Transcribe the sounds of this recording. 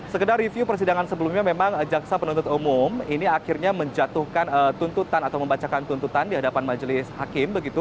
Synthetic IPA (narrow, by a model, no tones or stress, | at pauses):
səkədarifjupərsidaŋansəbəlumɲamemaŋd͡ʒaksapənũnt̪ʊt̪umuminiakɪrɲaməɲd͡ʒat̪uhkanət̪unt̪ut̪anat̪awməmbat͡ʃakant̪unt̪ut̪andiɦadapanmad͡ʒəlɪshakɪmbəɡit̪u